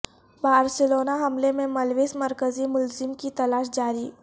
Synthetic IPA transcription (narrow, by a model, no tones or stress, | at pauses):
baːɾsɪloːnaɦɐmlemẽmɐlʋiːsmɐɾkəzimʊlzɪmkit̪ɐlaːʃd͡ʒaːɾiː